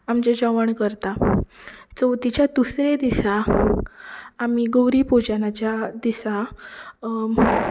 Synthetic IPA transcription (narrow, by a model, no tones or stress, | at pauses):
amt͡ɕad͡ʑəʋəɳkəɾt̪a | t͡sɔt̪it͡ɕjad̪usɾed̪isa | miɡowɾipud͡ʑanat͡ɕjad̪isa